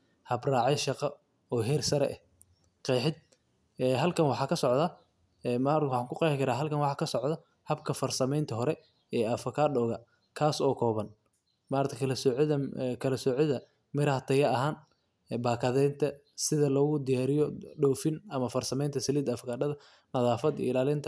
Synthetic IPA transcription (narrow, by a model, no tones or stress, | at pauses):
hɐbrɑːʕɛʃɑqɑ | ɔːɦɛrsɐɾɛ̰ʔɛ | qɛːħɪd̪̚ | ɛːɦɐlkʰɐnwɑħɑːkʰɐsɔʕðɐ | ɛmawħɑːŋkʰʊqɛːħɪkʰɐɾaːɦɐlkʰɐnwɑħɑːkʰɐsɔʕd̪ɐ | hɐbkʰɐfɐrsɐmɛjnt̪ʰɐɦɔɾɛ | ɛːʔɐfɐkʰaːdɔːɣɐ | kʰaːsɔːkʰɔːβɐn | maːɾɐt̪ʰɐkʰɐlɐsɔɐkʰɐlɐsɔʕɪðɐ | mɪɾɐhɐt̪ʰɐjɐɐɦaːnː | baːkʰɐðɛnt̪ʰɐ | sɪðɐlɔːɣʊd̪ɪjaːɾɪjɔɖɔːfɪnɐmɐfɐrsɐmɛjnt̪ʰɐsɐliːd̪ɐfɐkʰaːɖɐðɐ | nɐðaːfɐd̪̰ɪlaːlɪnt̪ʰɐ